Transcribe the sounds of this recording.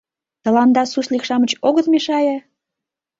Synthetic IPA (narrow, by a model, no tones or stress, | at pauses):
t̪ə̆lɑnd̪ɑsuʃlikʃɑmət͡ɕoɣət̪meʃɑjɑ